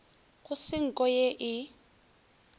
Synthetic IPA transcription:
ɣʊsɪŋ̩kʼɔjeʔɪ

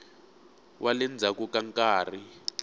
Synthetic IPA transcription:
wʔalɛnd͡zʱakukaŋkʼaːri

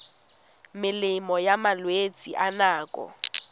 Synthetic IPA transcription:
mɪlɪmɔjamalwet͡sʼḭʔanaːkʼɔ̰

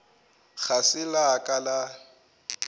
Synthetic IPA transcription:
ɣʰasɪlakʼala

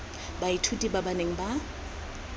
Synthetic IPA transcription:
baitʰutʼibabaneŋ̩ba

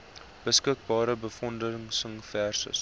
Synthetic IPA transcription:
b̥əskək̚bɑːɾəbəfɔndəŋsəŋfærsə̰s

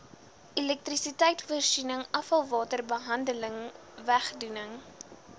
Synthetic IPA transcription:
ʔilɛk̚trisitɛjtvuərsinəŋɐfɐlˠvɑːtərbəɦɐndələŋ | væχdunəŋ

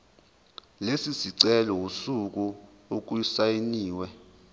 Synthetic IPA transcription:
lesisiǀɛlɔusuk̬u | ok̬uisajeniːwɛ

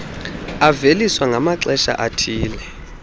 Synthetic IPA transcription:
aveliswaŋʱamaǀɛʃa̰ʔatʰiːlɛ

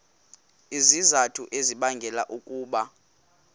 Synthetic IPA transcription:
izizatʰuʔeziɓaŋɡʱɛla̰ʔukʼuːɓa

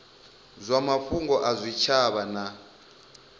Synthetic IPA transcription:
zʷamaɸuŋɡɔʔazʷit͡ʃʰaβana

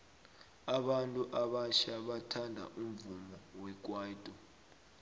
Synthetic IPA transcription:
aɓantʼuʔaɓaʃaɓatʰandʱa̰ʔumvumɔwɛk̬ʼwaːitʼɔ

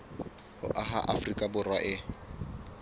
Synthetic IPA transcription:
hʊ̰ʔaɦa̰ʔafrikʼabʊrwaʔɪ

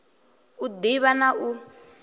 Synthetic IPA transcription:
ud̪iβanaʔu

